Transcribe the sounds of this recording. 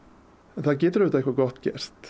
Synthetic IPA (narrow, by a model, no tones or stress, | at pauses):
ɛnθaðcɛːt̪ɾʏht̪aɛkvaɾɡɔht̪cɛ̰r̥t̪